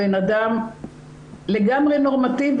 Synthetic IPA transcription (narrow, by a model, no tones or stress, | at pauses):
enadam | leɡamʁeno̞ʁmat̪iv